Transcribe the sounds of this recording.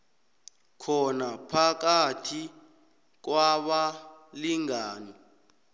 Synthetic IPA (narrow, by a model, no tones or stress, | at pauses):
kʰɔnapʰak̬atʰi | k̬waɓaliŋaːnɔ